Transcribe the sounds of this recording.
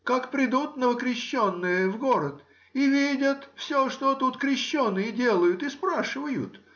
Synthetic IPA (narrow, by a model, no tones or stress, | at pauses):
kakpɾʲɪd̪ut̪nəvəkɾʲɪɕːonːɨjəvɡoɾət̪ | ivʲidʲət̪fsʲoʂt̪ot̪ut̪kɾʲɪɕːonːɨjədʲe̞lˠəjʊt̪ɨspɾaʂɨvəjʊ̰t̪